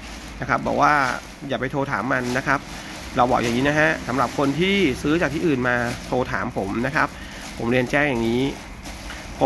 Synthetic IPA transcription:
na˦˥kʰa˦˥p̚bɔː˨˩k̚waː˥˩ | jaː˨˩pa˧jt̪ʰoː˧t̪ʰa̰ː˩˦mːa˧nːa˦˥kʰa˦˥p̚ | ɾa˧wbɔː˨˩k̚ja˨˩ŋiː˦˥na˦˥ɦa˦˥sa˩˦mɾa˨˩p̚kʰo˧nt̪ʰiː˥˩sɯː˦˥t͡ɕa˨k̚t̪ʰiː˥˩ʔːnmaː˧t̪ʰoː˧t̪ʰaː˩˦mpʰo˩˦mna˦˥kʰa˦˥p̚ʰː | o˩˦mɾi˧ənt͡ɕɛː˥˩ŋjaː˨˩ŋiː˦˥ | pʰ

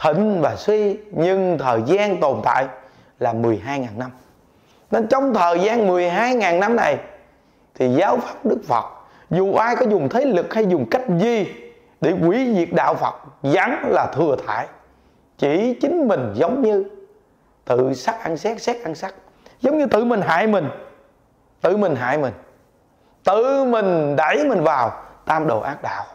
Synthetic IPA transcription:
t̪ʰḭ̈˧˨ŋ̟vaː˨˩swi˧ɲɨ˧ŋt̪ʰəː˨˩jzaː˧nt̪o˨˩nt̪a̰ː˧˨j | laː˨˩mɨ˨˩əjɦaː˧jŋaː˨˩nna˧m | n˨˧˦t͡ɕɔ˧wŋ͡mt̪ʰəː˨˩jzaː˧nmɨ˨˩əjɦaː˧jŋaː˨˩nna˧mna˨˩j | t̪ʰi˨˩zaː˨˦wfaː˦˥p̚ɗɨ˦˥k̚fə̰˨˩t̚ | zu˨˩ʔaː˧jkɔ˨˦zʊ˨˩ŋ͡mt̪ʰə˨˦jlɨ˨˩k̚ha˧jzʊ˨˩ŋ͡mka˦˥jk̟̚zi˨˩ | ɗḛ˧˩kwi˧˩˦vi˨˩ət̚ɗa̰ː˧˨wfə̰˨˩t̚za˨˦ŋlaː˨˩t̪ʰɨ˨˩ət̪ʰa̰ː˧˨j | t͡ɕi˧˩t͡ɕï˨˦ŋ̟mï˨˩ŋ̟zə˨˦wŋ͡mɲɨ˧ | t̪ɨ̰˧˨sa˦˥k̚ʔa˧ŋsɛ˦˥k̚sɛ˦˥k̚ʔa˧nsa˦˥k̚ | zə˨˦wŋ͡mɲɨ˧t̪ɨ̰˧˨mï˨˩ŋ̟ɦa̰ː˧˨jmï˨˩ŋ̟ | t̪ɨ̰˧˨mï˨˩ŋ̟ɦa̰ː˧˨jmï˨˩ŋ̟ | t̪ɨ˧˨mï˨˩ŋ̟ɗa˧˩jmï˨˩ŋ̟vaː˨˩wt̪aː˧mɗo̰˨˩ʔaː˦˥k̚ɗa̰ː˧˨w

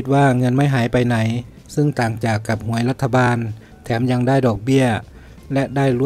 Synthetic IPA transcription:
t̪̚waː˧˩ŋɤ˧˥˨nma˧˥˩jɦaː˩˦jpa˨jna˩˦j | sɯ˧˩˨ŋt̪aː˨˩ŋt͡ɕaː˨˩kːa˧˩p̚hu˨˩˦əjla˧˥t̪ʰːa˧baː˧n | t̪ʰɛː˩˦mja˧ŋdaː˥˩jdɔː˨˩k̚bi˥˩ɐ | lɛ˧ʔdaː˥˩jlu˧˥

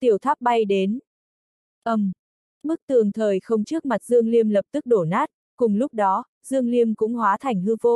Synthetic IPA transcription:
t̪i˨˩əwt̪ʰwaː˦˥p̚ɓa˧jɗe˨˦n | ʔə˧˩m | mɨ˦˥k̚t̪ɨ˨˩əŋt̪ʰəː˨˩jxə˧wŋ͡mt͡ɕɨ˦˥ək̚ma˨˩t̚zɨ˧əŋli˧əmlə˨˩p̚t̪ɨ˦˥k̚ɗo˧˩naː˦˥t̚ | kʊ˨˩ŋ͡mlʊ˦˥k͡p̚ɗɔ˨˦ | zɨ˧əŋli˧əmkʊ̰˧˥ŋ͡mhwaː˨˦t̪ʰa˨˩jŋ̟hɨ˧vo˧

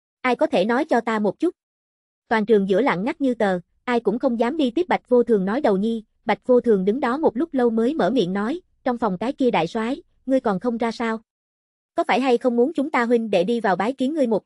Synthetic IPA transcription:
ʔaː˧jkɔ˨˦t̪ʰe˧˩nɔ˨˦jt͡ɕɔ˧t̪aː˧mo˨˩t̚t͡ɕu˦˥t̚ | t̪waː˨˩nt͡ɕɨ˨˩ŋzɨ̰˧˥əla̰ː˧˨nŋa˦˥k̚ɲɨ˧t̪əː˨˩ | ʔaː˧jkʊ̰˧˥ŋ͡mxə˧wŋ͡mzaː˨˦mɗi˧t̪wi˦˥p̚ɓa˨˩k̟̚vo˧t̪ʰɨ˨˩əŋnɔ˨˦jɗə˨˩wɲi˧ | ɓa˨˩jt̚vo˧t̪ʰɨ˨˩əŋɗɨ˨˦ŋɗɔ˨˦mo˨˩t̚lʊ˦˥k͡p̚lə˧wməː˨˦jmə̰ː˧˩mḭ˧˨ənːɔ˨˦j | t͡ɕɔ˧wŋ͡mfɔ˨˩wŋ͡mkaː˨˦jki˧əɗa̰ː˧˨jswaː˨˦j | ŋɨ˧əjkɔ˨˩nxə˧wŋ͡mzaː˧saː˧w | kɔ˨˦faː˧˩jɦa˧jxə˧wŋ͡mmu˨˦ənt͡ɕʊ˨˦ŋ͡mt̪aː˧ɦwï˧ŋ̟ɗe˧˩ɗi˧vaː˨˩wɓaː˨˦jki˨˦ənŋɨ˧əjmʊ˨˩t̚

